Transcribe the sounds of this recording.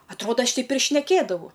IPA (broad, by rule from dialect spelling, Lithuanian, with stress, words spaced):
ɐtˈroːdɐ ˈɐʃ ˈtʲɛɪp ɪr ʃʲnʲɛˈkʲeːdɐʋɐʊ